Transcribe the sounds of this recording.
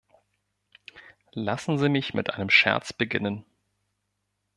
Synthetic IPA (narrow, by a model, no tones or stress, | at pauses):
lasn̩ziːmɪçmʔɪtʔaɪnəmʃɛ̰ɐt͡sb̥əɡɪnən